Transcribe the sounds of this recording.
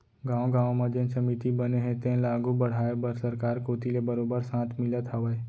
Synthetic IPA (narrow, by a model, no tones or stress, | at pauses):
ɡãːw̃ɡãːwmãd͡ʒẽnsɐmit̪ibəneɦɛ̃t̪ẽlaːɡubəɽ̤aːebəɾsəɾkaːɾkoːt̪ilebəɾoːbəɾsãːt̪ʰmɪlət̪aʋə